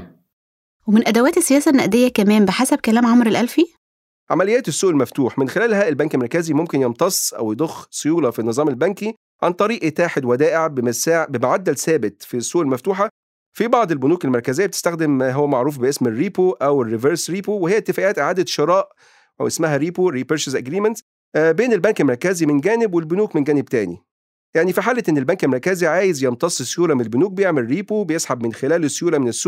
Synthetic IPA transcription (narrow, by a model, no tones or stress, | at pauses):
wemɪnʔæd̪æwæːt̪esːejæːsænːæʔd̪ejːækæmæːmbeħasæb̚kælæːmʕomɾelʔælfi | ʕamælejæːt̪esːuːʔelmæft̪uːħmenxelæːlhæʔelbæŋkelmɑɾkæzimomkenjemt̪ˤɑsˤʔæ̰wjed̪ˤoxːsojuːlɑfinːɨzˤɑːmelbænki | ʕant̪ˤɑɾiːʔt̪aːħed̪wæd̪æːʔeʕbemæsaʕbemʕad̪ːælsæːbet̪fisːuːʔelmæft̪uːħa | fibɑʕd̪ˤelbʊnuːkelmɑɾˤkæzejːæbet̪e̥st̪æxd̪emɦowːæmaʕɾuːfbeʔesmerːiːpoʔæwerːiveɾsɾiːpowehejːʔt̪ːefæːʔæːt̪ʔeʕaːd̪æʃeɾˤɑːʔ | æwʔesmæɦæɾiːpoɾiːpeɾʃesʔæɡɾiːmænt̪s | beːnelbæŋkelmɑɾˤkæzimenɡæːnɪbwelbʊnuːkmenɡæːneb̚t̪æːnḭ | jaʕnifiħaːlːæʔenːelbæŋkelmɑɾkæziʕaːjezjent̪ˤɑsˤːesːjuːɾɑmenelbonuːk̚bejeʕmelɾiːpobejesħabmenxelæːlesːjuːɾɑmenesːuː